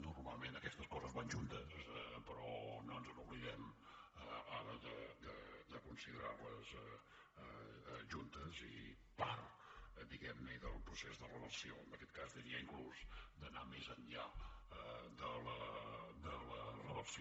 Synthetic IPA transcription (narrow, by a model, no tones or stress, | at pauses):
nurmalˠmenəkɛst̪əskɔzəzβanʒunt̪əspəɾɔnonzənuβliðɛməaɾəðəd̪əd̪əkunsiðəɾarləz | ʒunt̪əzḭ | part̪ | d̪iɣɛmnəiðəlˠpɾusezðərəðəsioənəkɛt̪̚kazd̪iɾiəiŋkluzd̪ənamezəɲʎa | d̪ələd̪ələrəðəsi